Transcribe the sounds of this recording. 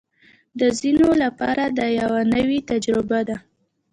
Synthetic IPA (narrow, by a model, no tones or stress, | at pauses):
d̪əzinolapɑ̰ɾad̪əjawanəwet̪ad͡ʒɾɪbad̪a